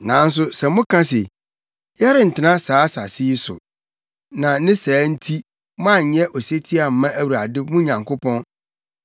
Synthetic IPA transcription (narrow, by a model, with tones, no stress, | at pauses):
nã˨˦n̩˦s̬ʊ˦sɛ˨mʊ̃˦kʰã˦s̬e˨ | jɛ˦ɾɪ̃˨n̩˨tʰɪ˨˦nã˦saː˨˦sa˨sɪ˦i˦sʊ̰˨ | nã˨nɪ̃˦sæː˨˦n̩˦tʰi˦ | mʊ̃˦a˦˨ɲ̩˨˦ɲɛ˦ʔɔ˨se˦tʰi˦a˨m̩˨mã˦ʔæ˦wu˨ɾa˨dɪ˦mʊ̃˦ɲã˨ŋko˦pʰɔ̃˦n